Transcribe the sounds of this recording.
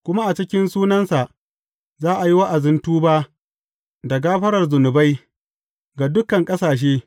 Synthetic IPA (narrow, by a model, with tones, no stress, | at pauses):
kʷʊ˦ma˦ʔa˨t͡ʃɪ˦kʲɪ˦nsuː˦nɐ˦nsa˨ʔ | zaː˦ʔa˨ji˦wa˦ʔa˨zɪ˦ntuː˦baː˦ | dɐ˨ɡaː˦ɸɐ˦ɾɐ˨rzʊ˨nʊ˨ba˦j | ɡa˨dʊ˦kɐ˨ŋkʼɐ˦saː˨ʃ̬eː˦